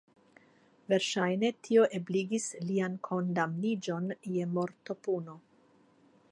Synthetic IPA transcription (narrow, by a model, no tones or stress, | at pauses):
ve̞ɾʃajne̞tʰio̞ʔe̞bliɡisliankʰo̞ndamnid͡ʒo̞nje̞mo̞ɾto̞puno̞